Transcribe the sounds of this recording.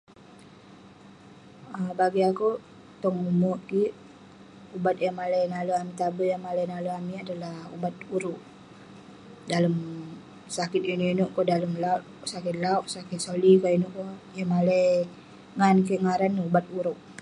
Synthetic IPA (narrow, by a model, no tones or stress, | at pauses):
əbaɡiaku | t̪ɔŋumuʔkiʔ | ubat̪̚jaŋmalajnaluamit̪abəjaŋmalajnaloamiadalahṵbat̪̚uɾuʔ | daləm | sakɪt̪̚inuinuʔkɔdaləmlauʔ | sakɪt̪̚lauʔsakɪt̪̚solikainuʔkɔjamalaj | ŋankiʔŋaɾanːubat̪̚uɾuʔ